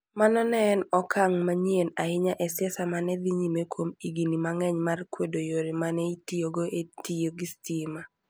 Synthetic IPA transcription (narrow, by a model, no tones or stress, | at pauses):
manɔnɛnɔkʰaŋmaɲienaɪɲaʔɛsɪɛsamanɛd̪iɲimekwomiɡinimaŋɛɲmarkwedojoɾimanɛitijoɡoʔetioɡistima